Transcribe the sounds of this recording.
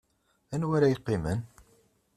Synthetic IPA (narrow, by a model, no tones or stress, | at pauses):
ænwæɾæjəqːimə̰n